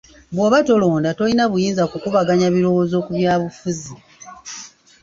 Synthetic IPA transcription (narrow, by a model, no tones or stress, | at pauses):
βwoβato̞lo̞ːndato̞inaβujiːnzakukuβaɡaɲaβiɾo̞wo̞ːzo̞ːkuβjaːβufuzi